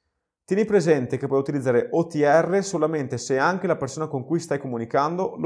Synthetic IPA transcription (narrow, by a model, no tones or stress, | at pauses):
t̪jɛːnipɾezɛnt̪ekepːwɔjut̪ilid̪zːaːɾeʔɔt̪iɛrːesolament̪eseaŋk̟elapersoːnakoŋkujst̪ajkomunikand̪ol